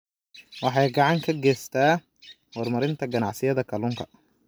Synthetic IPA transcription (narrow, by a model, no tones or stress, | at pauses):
wɑħɑjɡɑʕɑŋkʰɐɡɛːst̪ʰaː | hɔɾmɐɾɪnt̪ʰɐɡɐnɑʕsɪjɐd̪ɐkʰɐlʊŋkʰɐ